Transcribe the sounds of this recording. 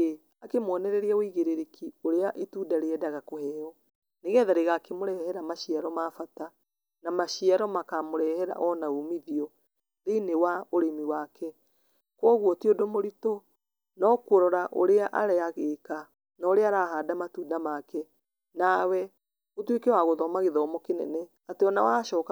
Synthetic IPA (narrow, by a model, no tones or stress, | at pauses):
e | akemwɔnɛɾɛɾiaoiɣeɾeɾekʰioɾeaʔetudaɾeɛdaɣakohɛːɔ | neɣɛːðaɾeɣaːkemoɾɛhɛɾamaʃiaɾɔmafata | namaɕiaɾɔmakamoɾɛhɛɾa̰ʔɔnaumiðiɔ | ðeinewaoɾemiwaːkɛ | kwɔɣwɔtiodomoɾito | nɔkuɾɔɾaʔo̰ɾeaʔaɾɛaɣeːka | naoɾeaɾaɦaːdamatuːdamakɛ | nawɛ | otwekewaɣoðɔmaɣeðɔmɔkenɛ̰nɛ | ateɔnawaʃɔːka